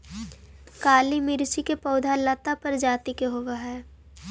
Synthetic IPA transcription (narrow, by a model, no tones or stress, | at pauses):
kaːlimɪɾsikepɔʊd̪ʱalət̪apɐɾd͡ʒaːt̪ikeɦoːɡaɦɛː